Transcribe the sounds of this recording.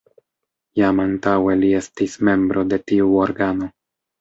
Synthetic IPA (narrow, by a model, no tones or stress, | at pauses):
jamantawe̞lie̞stisme̞mbɾo̞de̞tiuo̞ɾɡano̞